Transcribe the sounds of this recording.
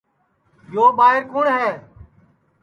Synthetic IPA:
joːɓaːɦɪɾkʰʊːɳɦɛː

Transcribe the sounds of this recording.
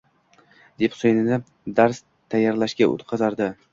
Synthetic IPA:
d̪epsojnɪnɪ | d̪aɾs | t̪ʰajːaɾlaʃkʲao̰t̪qʰɑzaɾd̪ɪ

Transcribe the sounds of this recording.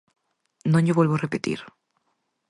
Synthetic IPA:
nõɲjoβwelβorepet̪ḭɾ

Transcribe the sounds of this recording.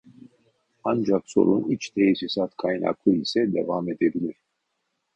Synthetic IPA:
and͡ʒakso̞̰ɾunit͡ʃt̪ʰɛjsisat̪kʰajna̰kʰlˠɯisɛd̪ɛvaːmɛd̪ɛbilʲiɾ̥

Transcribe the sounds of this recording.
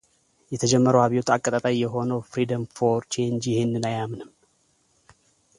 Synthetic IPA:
jɛt̪ʰəd͡ʒɛmːəɾəwaβiot̪akʼːət̪ʼət̪ʼajjɛɦo̞nəwfɾid̪əmfoɾt͡ʃend͡ʒjɪhenːɨnajamnɨm

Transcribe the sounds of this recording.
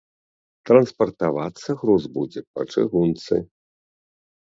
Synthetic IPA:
t̪ɾɐnspɐrt̪avat̪sːɐɣɾɔzbud͡zʲɛpɐ̰t͡ʂɨ̰ɣunt̪sɨ̰

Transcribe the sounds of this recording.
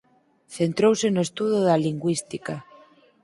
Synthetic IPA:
θent̪ɾowsenoest̪uðoðaliŋɡwist̪ika

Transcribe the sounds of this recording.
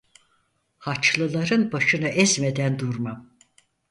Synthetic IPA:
hat͡ʃlˠɯlˠaɾɯnbaʃɯnɯʔɛzme̞d̪ænd̪uɾmam

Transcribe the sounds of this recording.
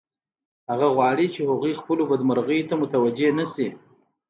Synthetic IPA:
haɣaɣwɑɽit͡ʃehaɣujxpəlobad̪maɾɣəjot̪amʊt̪awad͡ʒenasi

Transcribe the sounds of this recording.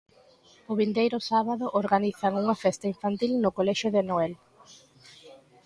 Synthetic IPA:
ʊβind̪ejɾʊsaβaðʊʔoɾɣaniθaŋuŋɐfɛst̪aiɱfant̪ilnʊkolɛʃʊðenoɛl

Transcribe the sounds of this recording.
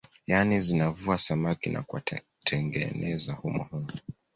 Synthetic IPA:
janizinavuasamakina̰kua | tʰɛŋɡɛ̰nʔɛzahumɔ̰hunu

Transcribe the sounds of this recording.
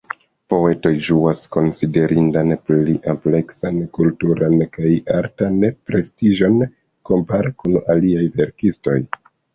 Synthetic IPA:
po̞e̞to̞jʒuasko̞nside̞ɾʔindanpiʔample̞ksankultuɾankajaɾtanpɾe̞stiʒo̞n | ko̞mpaɾekunaliajve̞ɾkisto̞̰j

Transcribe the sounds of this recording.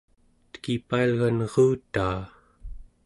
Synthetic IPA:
t̪kipaːlɣanʁuːt̪aː

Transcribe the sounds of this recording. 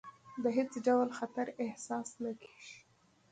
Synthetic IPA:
d̪əɦet͡sɖawlxat̪aɾɪhsɑsnakʰe̥ʒi̥

